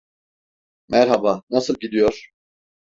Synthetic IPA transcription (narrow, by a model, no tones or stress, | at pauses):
mʔɛɾɦabanasɯlˠɟid̪ijoɾ̥